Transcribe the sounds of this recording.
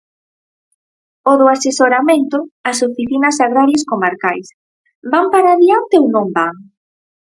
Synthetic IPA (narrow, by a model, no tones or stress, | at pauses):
oðʊasesoɾamẽnt̪ʊasofiθinɐsaɣ̞ɾaɾjeskomaɾkajs | bampaɾaːðiant̪eownõmbaŋ